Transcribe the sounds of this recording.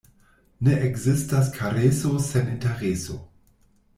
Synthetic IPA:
neʔeɡzistas̬kʰaɾesoseninteʁeso̰

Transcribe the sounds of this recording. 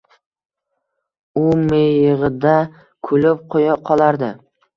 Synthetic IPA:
ʊmeɪʁɪd̪a | kʰʊlɪp̚qʰojaqʰɒlˠaɾd̪ɪ

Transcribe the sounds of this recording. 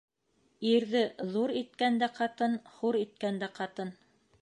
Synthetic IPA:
iɾðɘðuɾit̪̚kænd̪æqɑt̪ɤnhuɾit̪̚kænd̪æqɑt̪ɤn

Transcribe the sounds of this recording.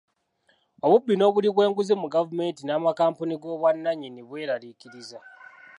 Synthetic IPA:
o̞βubːino̞ːβuliβwe̞ːŋɡuzimuɡavume̞ːntinaːmakaːmpuniɡo̞ːβwanːaɲiniβwe̞ːɾalikiɾiza

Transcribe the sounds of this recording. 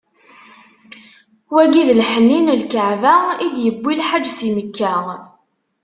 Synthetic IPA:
wæɡiðlħənːinlkəʕvæid̪jəbːilħad͡ʒːsiməkːæ

